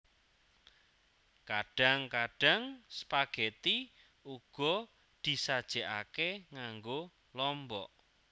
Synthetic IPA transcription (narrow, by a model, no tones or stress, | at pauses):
kaɖ̥a̤ŋkaɖ̥a̤ŋsə̥paɡ̥ɛt̪i | uɡ̥ɔ̤ | d̪̥i̤sad̥ʒ̥ɛʔa̰keŋaŋɡo | lɔmbɔʔ